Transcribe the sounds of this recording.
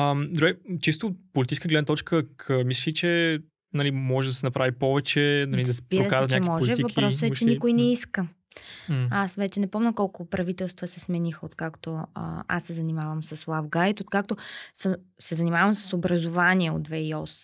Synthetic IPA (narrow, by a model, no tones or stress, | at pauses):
əmd̪ɾuɡɛt͡ʃis̬t̪opolit̪it͡ʃʃskəɡlɛd̪t̪ɔt͡ʃkəkʰəmislit͡ʃɛ | nɐlimɔʒɛd̪ɐsɛnɐpɾʔavipɔvɛt͡ʃɛnɐlid̪ɐsɛpiɾkaɾt̪ɲaɛimɔʒɛivɐkpɾɾɔsɛt͡ʃɛnikʊjnɛiskə | asvɛt͡ʃɛnɛpɔmnəkɔlˠkʊpɾɐvit̪ɛlˠst̪vəsɛsmɛnixəot̪kakt̪o̰a̰sːɛzɐnimavəmsɐslˠavɡajt̪ot̪̚kak̚t̪osəmsɛzɐnimavəmsə̥sobɾɐzʊvanʲiɛo̰t̪vɛiɔs